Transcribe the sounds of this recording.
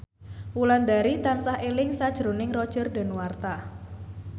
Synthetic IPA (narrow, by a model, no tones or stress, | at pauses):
wuland̪aɾit̪ansahelɪŋsad̥ʒ̥ɾo̤nɪŋrɔd̥ʒ̥ərɖa̤nwart̪a